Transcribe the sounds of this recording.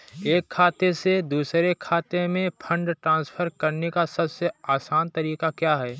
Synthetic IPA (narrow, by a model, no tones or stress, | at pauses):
eːkʰːaːt̪esed̪uːsɾekʰaːt̪emẽpʰə̃ɳɖʈɾãːnspʰəɾkɐɾnekasɐbseaːsaːnt̪ɐɾiːkakjaːɦɛː